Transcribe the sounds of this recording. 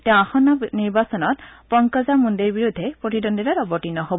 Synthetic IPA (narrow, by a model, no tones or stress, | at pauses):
tɛãaxɔnaniɹbasɔnɔt̚pɔŋkɔzamundeɹbiɹud̪ʱːɛpɹotidɔnditaɾɔbɔtinːɔɦob